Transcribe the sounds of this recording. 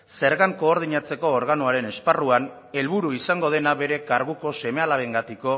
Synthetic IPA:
se̞ɾɣaŋko̞ːɾð̞iɲat͡se̞ko̞ːɾɣanoaɾe̞ne̞sparuan | e̞lβuɾuisaŋɡo̞ð̞e̞naβe̞ɾe̞kaɾɣuko̞se̞me̞alaβe̞ŋɡat̪iko̞

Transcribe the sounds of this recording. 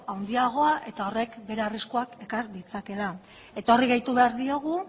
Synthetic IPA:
awnd̪iaɣ̞o̞aʔe̞t̪ao̞re̞kbe̞ɾe̞ariskuake̞kaɾd̪it͡sake̞la | e̞t̪o̞riɣajt̪uβe̞aɾðio̞ɣu

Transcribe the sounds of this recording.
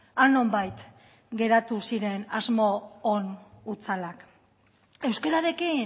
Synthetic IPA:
ano̞mbajt̪ | ɡe̞ɾat̪usiɾe̞nazmo̞ːnut͡salak | e̞wskeɾaɾe̞ki

